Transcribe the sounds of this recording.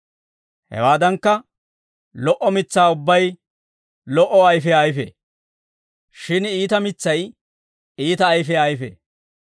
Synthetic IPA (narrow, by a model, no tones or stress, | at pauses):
hɛ̰waːd̪ɐŋkːɐ | lɔʔɔmɪt͡sːaːʊbːɐj | lɔʔɔɐjfɛajfḛː | ʃɪniːt̪ɐmɪt͡sːɐj | iːt̪ɐːjfɛɐjfḛː